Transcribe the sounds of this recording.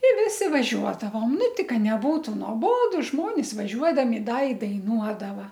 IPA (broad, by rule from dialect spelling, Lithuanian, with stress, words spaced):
ɪ ˈʋʲɪsʲɪ ʋɐˈʒʲuɔdɐʋoːm ˈnʊ ˈtʲɪ ˈkɐ nʲɛˈbuːtʊ noːˈboːdʊ ˈʒmoːnʲɪs ʋɐˈʒʲuɔdɐmʲɪ ˈdɐ ɪ dɐɪˈnuɔdɐʋɐ